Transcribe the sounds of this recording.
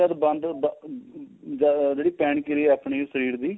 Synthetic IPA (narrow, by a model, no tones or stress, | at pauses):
əd̪bə̃nd̪b | d͡ʒd͡ʒeːɽiːpɛːɳkiɾiapɳiːsəɾiːɾd̪iː